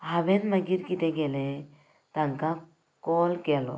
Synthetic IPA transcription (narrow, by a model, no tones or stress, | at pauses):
ɦabɛt̪məɡiɾkit̪ɛɡɛlɛ | t̪aŋka | kɔlkɛlɔ̰